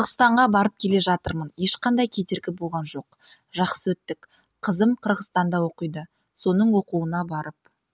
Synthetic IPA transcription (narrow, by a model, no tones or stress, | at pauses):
qʰəɾʁəst̪ɑɴʁɑbɑɾəp̚kʲʰe̞le̞ʒɑt̪əɾmənje̞ʃqɑnd̪ɑjkʲʰe̞t̪e̞ɾɡʲɪbo̞lˠʁɑnʒo̞q | ʒɑqsəwɵt̪ːɪk | qʰəzəmqʰəɾʁəst̪ɑnd̪ɑwo̞qəjd̪ə | so̞nəɴwo̞quənɑbɑɾəp̚